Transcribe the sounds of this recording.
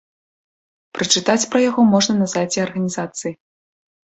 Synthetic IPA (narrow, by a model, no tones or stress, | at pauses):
pɾɨt͡ʂɨt̪at͡sʲpɾɐjaɣɔmɔʐnɐnɐzat͡sʲɛɐrɣɐnʲizat̪sɨji